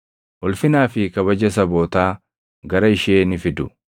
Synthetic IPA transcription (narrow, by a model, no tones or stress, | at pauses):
ʔʊlfɪnaːfɪkɐβɐd͡ʒɐs̬ɐbo̞ːt̪aː | ɡɐɾɐɪʃeːnɪfɪd̪ʊ